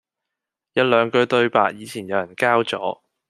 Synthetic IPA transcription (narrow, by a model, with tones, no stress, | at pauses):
jɐ˨˧wlœː˨˧ŋkɵ˧t̪ɵ˧ɥpa̰ː˧k̚jiː˨˧t͡sʰiː˨˩njɐ˨˧wjɐ˨˩nkaː˥wt͡sɔː˨˥